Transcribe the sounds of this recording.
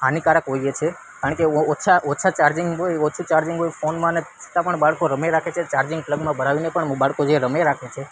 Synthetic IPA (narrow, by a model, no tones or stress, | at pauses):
anikaɾəkɦoiet͡ʃʰe | kaɾəɳkeot͡ʃʰaʔot͡ʃʰat͡ʃaɾd͡ʒiŋɡɦojot͡ʃʰut͡ʃaɾd͡ʒiŋɡɦojfonmãnet͡ʃʰə̥t̪ãpəɳbaɭkoɾəmeɾakʰet͡ʃʰet͡ʃaɾd͡ʒiŋɡpləɡmãbʱəɾaʋinepəɳbaɭkod͡ʒeɾəmeɾakʰet͡ʃʰe